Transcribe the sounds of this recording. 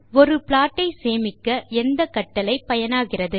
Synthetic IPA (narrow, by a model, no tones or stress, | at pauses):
ɔɾɯpɪɭaːʈːɐɪseːmɪkːɐɛnd̪ɐkɐʈːɐlɐɪpɐjɐnaːɣɪrɐðɯ